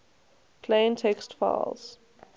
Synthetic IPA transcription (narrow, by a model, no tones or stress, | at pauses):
pʰlẽɪ̃ntʰɛkstfa̰ɪlz̥